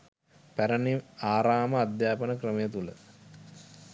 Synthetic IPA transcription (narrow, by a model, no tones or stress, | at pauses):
pæɾəniaːɾaːməad̪jaːpənəkrəməjət̪ulə̰